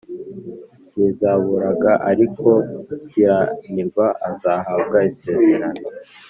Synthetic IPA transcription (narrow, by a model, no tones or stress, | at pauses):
jizaβuɾaɡaʔaɾikʰo̞cijaniɾɡwaʔazaɦab̚ɡaise̞ːze̞ɾano